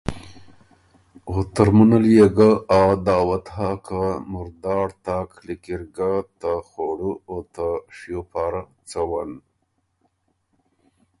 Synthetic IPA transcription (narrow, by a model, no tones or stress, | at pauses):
ot̪aɾmunaljeɡaad̪ɑːwat̪ɦakamʊɾd̪ɑːɽt̪aklikiɾɡat̪axoɽuot̪aʂijopaːɾa | t͡sawan